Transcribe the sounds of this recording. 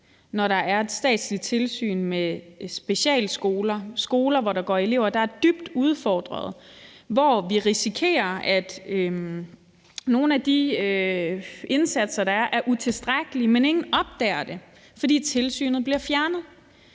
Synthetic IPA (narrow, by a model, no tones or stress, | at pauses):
nɒɾɑ̈ʔæɐe̝d̥sd̥ɛ̰ːd̥slit͡sʰe̝lsy̰ːnmesb̥e̝ɕɛ̰ːlsɡ̥oːlɐsɡ̥o̝ːlɐʋɒɾɑ̈ɡ̥ɒ̰ːe̝le̝ʊɐd̥ɑ̈æɐd̥yb̥d̥uð̞ˠfɒːd̥ʁɐð̞̩ˠʋɒʋiʁisikʰe̝̰ːɐæd̥ | no̝ːn̩æd̥i | e̝nsæd̥sɐd̥ɑ̈æɐʔæɐʔut͡sʰe̝lsd̥ʁaɡ̥əlimene̝ŋn̩ɒ̽b̥̚d̥ɛ̰ːɐd̥e̝ | fɒ̽d̥ḭːt͡sʰe̝lsy̰ːnð̩ˠb̥liɐfjæɐnəð̩ˠ